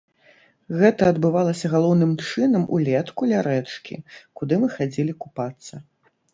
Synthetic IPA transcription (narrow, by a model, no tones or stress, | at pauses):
ɣɛt̪ɐɐd̪bɨvalˠɐsʲɐɣalˠɔwnɨmt͡ʂɨnɐmʔṵlʲɛt̪kulʲaɾɛt͡ʂkʲḭkud̪ɨmɨxad͡zʲɛlʲikupat̪sːɐ